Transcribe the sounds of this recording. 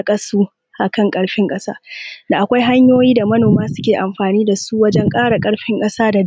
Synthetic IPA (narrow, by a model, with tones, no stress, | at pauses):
kʼɐ˦suː˦ | ʔa˨kɐ˦˨ŋkʼɐ˦ɽɸɪ˦ŋkʼɐ˦saː˦da˨ʔa˨kʷa˦jɦa˦ɲjoː˦jiː˦da˨mɐ˦noː˨maː˦sʊ̥˦kʲeː˨ʔa˨mɸaː˨niː˦da˨su˦ʔwɐ˦d͡ʒɛ˦ŋkʼaː˦ɽa˨kʼɐ˦ɽɸɪ˦ŋkʼɐ˦saː˦da˨d